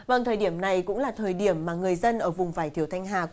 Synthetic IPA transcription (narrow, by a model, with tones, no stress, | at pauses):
və˧˩ŋt̪ʰəː˨˩jɗi˧˩əmna˨˩jkʊ̰˧˥ŋ͡mlaː˨˩t̪ʰəː˨˩jɗi˧˩əmːaː˨˩ŋɨ˨˩əjzə˧nʔəː˧˩vʊ˨˩ŋ͡mvaː˧˩jt̪ʰi˧˩əwt̪ʰa˧jŋ̟ɦaː˨˩